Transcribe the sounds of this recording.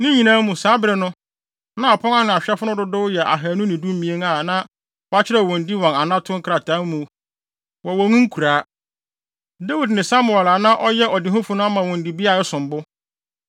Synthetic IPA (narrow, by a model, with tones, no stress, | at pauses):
nɪ̃˦ɲĩ˨nãː˦mũ˨saː˨˦bɾɪ˨nʊ̃˦ | nã˦˨pʰɔ˦ŋa˦nɪ̃˨a˨ɕᶣɛ˦fʊ˦nʊ̃˦dʊ˦dʊ˦jɛ˨ʔa̰˨ɦæ˨nʊ̃˦nɪ̃˨du˦m˦mĩ˨e˦ŋa˨nã˦ | ɔ˦a˦t͡ɕʰɪ˦ɾɛ˦˨ɔ̃˨n˨di˦wɔ̃˨na˨nã˦tʰʊ̃˦ŋ̩˦kʰɾa˨tʰã˦mũ˨˦ | wɔ˨wɔ˨nũ˦ŋ̩˦kʰu˨ɾaː˨˦ | da˦wi˨dnɪ̃˨sa˦mʊ˨ɛ˨la˨nã˦ʔɔ˦jɛ˦ɔ˨dɪ˨ɦʊ̃˦fʊ˨nʊ̃˦a˦mã˨wɔ̃˨n˨di˨bi˦a˨ɛ˦sʊ̃˨mbʊ˦